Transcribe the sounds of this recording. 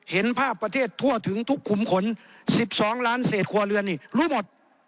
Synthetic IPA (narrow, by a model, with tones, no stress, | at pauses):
he˨˦npʰaː˥˩k̚pːɾa˧t̪ʰeː˥˩t̪ʰːu˧˩ɐt̪ʰɯ˩˦ŋt̪ʰu˦˥kʰːu˨˩mkʰo˧˥nsi˨˧˩p̚sɔː˨˩˦ŋlaː˦˥nseː˨˩t̪̚kʰu˧ɐlɯ˧ənːiː˧˩luː˧˥˩mo˨˩t̪̚